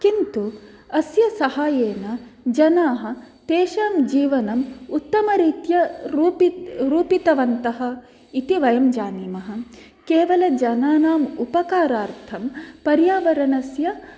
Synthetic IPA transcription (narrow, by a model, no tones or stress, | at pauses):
kint̪u | ɐsjɐsɐhaːjeːnɐd͡ʒɐnaːɦɐ̆t̪eːʃaːmd͡ʒiːʋɐnɐmut̪ːɐmɐɾiːt̪jɐɾpiɾuːpit̪ɐʋɐnt̪ɐɦɐ̆ | it̪iʋɐjɐmd͡ʒaːnimɐɦɐ̆ | keːʋɐlɐd͡ʒɐnaːnaːmupɐkaːɾaːɾt̪ʰɐmpɐɾjaːʋɐɾɐnɐsjɐ